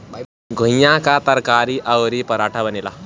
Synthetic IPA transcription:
ɡʱũjãkat̪əɾkaɾiʔawɾipəɾaʈʰabənila

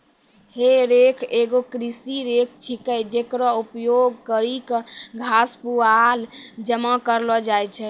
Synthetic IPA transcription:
heɾekʰeɡokɾisiɾek̚ʰt͡ʃʰikəd͡ʒekɾɔupjoɡkəɾikɡʱaspuald͡ʒəmakəɾlɔd͡ʒajt͡ʃʰɛ

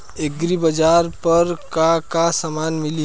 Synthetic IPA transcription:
eɡɾibəd͡ʒaːɾpəɾkakasamaːnmɪli

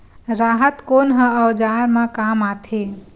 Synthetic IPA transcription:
ɾaɦət̪konɦə̃əwd͡ʒaɾmãkamat̪ʰe

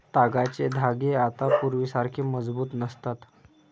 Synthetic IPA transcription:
t̪aɡat͡sed̪ʱaɡeat̪apuɾʋiːsaɾkʰeːməd͡zbuːt̪nəst̪at̪

